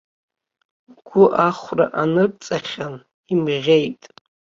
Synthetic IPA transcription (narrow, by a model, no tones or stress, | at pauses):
ɡ̥ʷʊʔaχʷraʔanɨrt͡sʼaχʲan | imʁʲe̞jtʼ